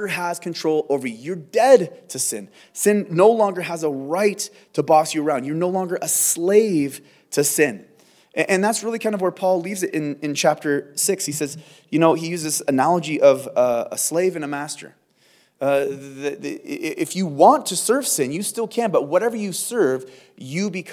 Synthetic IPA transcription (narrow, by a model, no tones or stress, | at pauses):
ə˞əz̥kʰɨ̃n̩tʰɹ̥oʊlˠoʊvə˞jə˞dɛd̚tʰɨsɪ̰̃n | sɪ̃nːoʊlɔ̃ŋɡə˞əzəɹaɪtʰ | ɨbɔsjɨə˞ãʊ̃ndjə˞noʊlɔ̃ŋɡə˞ʔəsleɪv̥ | tʰɨsɪ̃n | ʔɨʔɨ̃nðætsɹɪlˠikʰãɪ̃ndʌvwə˞pʰɔlˠlivzɨɾʔɨ̃nɨ̃nt͡ʃʰæp̚tə˞sɪkshisɛz | jɨnoʊijʉzɨsɨnælˠəd͡ʒiʔʌvə̰sleɪvɨ̃nɨmæstə̰˞ | ðɨʔɪfjɨwɑ̃ntʰɨsɜ˞v̥sɪ̃njɨstɪlˠkʰæ̃nbʌt̚wʌɾɛvə˞jɨsɜ˞vjɨbɨkʰ